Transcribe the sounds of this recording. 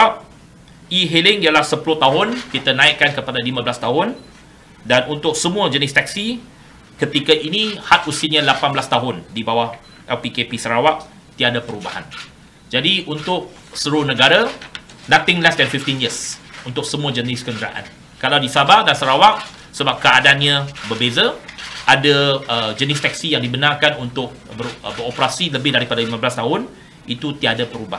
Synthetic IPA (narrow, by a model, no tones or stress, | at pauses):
əap̚ | iɦelɪŋialahsəpulʊht̪aɦʊnkit̪anãɪʔ̚kːankəpadalimãbəlast̪aɦʊn | danunt̪ʊk̚səmũəd͡ʒənɪst̪aksi | kət̪ikaʔinĩhat̪̚usiɲãlapanbəlast̪aɦʊndibawah | ʔɛlpikepisəɾawaʔ̚ | t̪iadapəɾubaha̰n | d͡ʒadiʔunt̪ʊk̚ | səɾʊhnə̃ɡaɾanãt̪ɪŋlasdɛnfift̪injisunt̪ʊk̚səmũad͡ʒənɪskəndɾa̰ʔa̰n | kalawdisabarɡansəɾawaʔ̚ | səbap̚kəadaanɲãbəbezaʔadaəd͡ʒənɪst̪ɛksijaŋdibənãrkanunt̪ʊk̚bəbəɾopəɾasiləbɪhdaɾipadalimãblast̪aɦʊn | it̪ut̪iadapəɾuba